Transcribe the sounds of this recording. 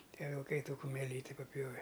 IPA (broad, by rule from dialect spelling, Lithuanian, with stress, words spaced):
ˈtʲiɛ ʋʲɪlˠˈkɐɪ ˈtuː kʊmʲɛˈlʲiːtʲɪ pɐˈpʲjoːʋʲɛ